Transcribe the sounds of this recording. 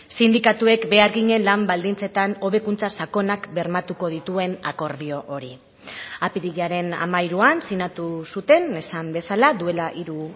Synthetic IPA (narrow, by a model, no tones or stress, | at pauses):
sind̪ikat̪ue̞kbe̞aɾɣiɲe̞nlambald̪int͡se̞t̪ano̞βe̞kunt͡sasako̞nakbe̞ɾmat̪uko̞ð̞it̪ue̞nako̞ɾð̞io̞ʔo̞ɾi | apiɾiɣiaɾe̞na̰majɾuansinat̪usut̪e̞ne̞sambe̞salad̪ue̞laʔiɾu